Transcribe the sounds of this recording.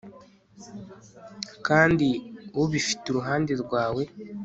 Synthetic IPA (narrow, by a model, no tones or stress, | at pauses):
kaːndiwuβifi̥tuɾuɦaːndeɾɡwaːwe̞